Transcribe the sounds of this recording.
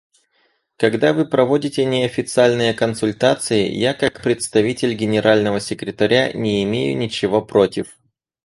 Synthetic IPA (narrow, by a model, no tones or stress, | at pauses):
kɐɡd̪avɨpɾɐvodʲɪtʲɪnʲɪɐfʲɪt̪sɨalʲnɨjəkənsʊlʲt̪at̪sɨjɪ̰jakakpɾʲɪt̪st̪ɐvʲitʲɪlʲɡʲɪnʲɪɾʔalʲnəvəsʲɪkɾʲɪt̪ɐɾʲa̰nʲɪɪmʲejʊ̰nʲɪt͡ɕɪvo̞pɾotʲɪf